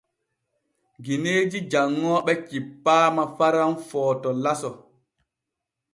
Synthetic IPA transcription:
ɡineːd͡ʒid͡ʒaŋːɔːɓɛkipːaːmafaɾanfɔːtɔlasɔ

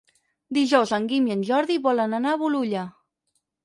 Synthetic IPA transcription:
d̪iʒɔwzəŋɡimiənʲʒɔɾðiβɔlənənaβuluʎə

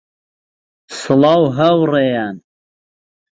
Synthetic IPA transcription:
sɨlɑwɦɐwrejan

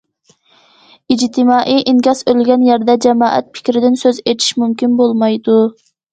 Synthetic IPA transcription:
id͡ʒt̪ʰɪmɑːʔijʔiŋɡʲɑsølɡʲɛnjɛɾd̪ɛd͡ʒɛmɑːʔɛ̰t̪̚pʰɪ̥kʲɾɪd̪ɪnsøzet̪ʰi̥ʃmumkʲinbolˠmɑjd̪u

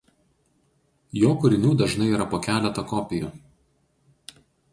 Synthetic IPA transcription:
joːkʊɾʲɪnʲuːd̪ɐʒnɐɪiɾɐpoːkʲæːlʲɛt̪ɐkɔpʲɪju

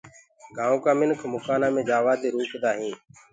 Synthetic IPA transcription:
ɡãːõːkaːmɪnkʰmʊkaːnãːmẽːd͡ʒaːʋaːd̪eːɾuːkʰd̪aːɦĩː

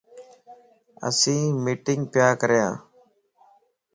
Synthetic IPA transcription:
ə̰sĩːmiːʈɪŋɡ̚pjaːkəɾjãː

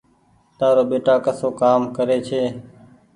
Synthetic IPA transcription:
t̪aːɾoːɓeːʈaːkəsoːkaːmkəɾeːt͡ʃʰeː

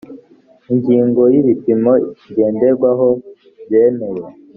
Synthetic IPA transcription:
iɲɟiːŋɡo̞jiβipimo̞iiɡe̞ːndeɾɡwaɦo | βjeneje

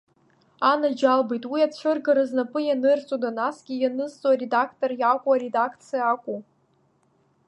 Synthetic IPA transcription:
anad͡ʒalbejtʼwiat͡ɕʷɨrɡaɾɨznapʼɨjanɨrt͡sʼodanasɡʲijanɨzt͡sʼoaɾedakʰtʼorjakʷʼuaɾe̞dakʰt͡sʰijaːkʷʼu

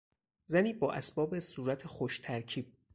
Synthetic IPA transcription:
zæniːbɒːʔæsbɒːbesuːɾæt̪ʰexoʃt̪ʰæɾcʰiːb̥̚

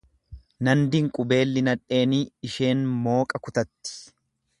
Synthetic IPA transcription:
nɐnd̪ɪŋkʼʊbe̞ːlːɪnɐᶑe̞ːniːɪʃe̞ːnmo̞ːkʼɐkʊt̪ɐt̪ːɪ̥

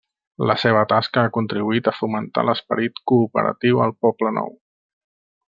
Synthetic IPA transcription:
ləseβ̞ət̪askəakunt̪ɾiβuit̪əfumənt̪a̰ləspəɾit̪kuːpə̰ɾə̰t̪iwəlˠpɔplənɔ̰w

